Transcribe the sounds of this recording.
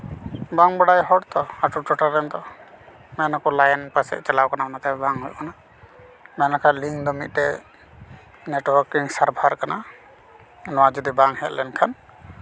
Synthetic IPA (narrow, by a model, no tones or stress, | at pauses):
baŋbəɽajɦɔɽt̪ɔaʈuʈɔʈaɾɛnd̪ɔ | mɛnakɔlajɛnpasɛ̰ʔt͡ʃɛlawkanamanat̪abɛbaŋɦujkana | mɛnakʰaliŋd̪ɔmit̪̚ˀtɛ | nɛʈwɔɾkiŋsaɾbʱaɾkana | nɔwad͡ʒɔd̪ibaŋhɛ̰t̪lɛnkʰan